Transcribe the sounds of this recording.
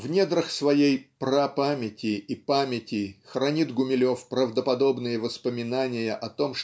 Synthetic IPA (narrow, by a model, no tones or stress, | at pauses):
vnʲed̪ɾəxsvɐjejpɾapamʲɪtʲɪʔipamʲɪtʲɪxɾɐnʲit̪ɡʊmʲɪlʲo̞fpɾəvd̪əpɐd̪o̞bnɨjəvəspəmʲɪnanʲɪjəʔɐt̪o̞mʂ